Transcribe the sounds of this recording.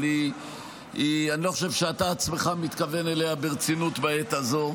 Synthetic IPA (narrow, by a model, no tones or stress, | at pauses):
li | ianilo̞χoʃe̞vʃeat̪aːt͡sme̞χamit̪kave̞neleabeʁt͡sinut̪baet̪azo̞